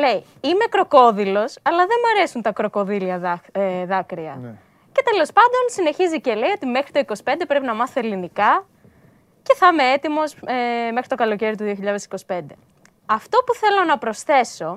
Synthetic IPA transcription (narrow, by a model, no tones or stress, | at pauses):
le̞i | ime̞kɾo̞ko̞ðilo̞sɐlɐðemɐɾe̞sunt̪ɐkɾo̞ko̞ðiliɐðɐkɾiɐ̰ | ce̞t̪e̞lo̞spɐnd̪o̞nsine̞çizice̞le̞io̞t̪ime̞xɾit̪oiko̞si̥pe̞nd̪e̞pɾe̞pinɐmɐθelinikɐ | ce̞θɐme̞et̪imo̞semexɾit̪o̞kɐlo̞ce̞ɾit̪uðio̞çiʎɐðesi̥ko̞si̥pe̞nd̪e̞ | ɐft̪o̞puθe̞lo̞nɐpɾo̞sθe̞so̞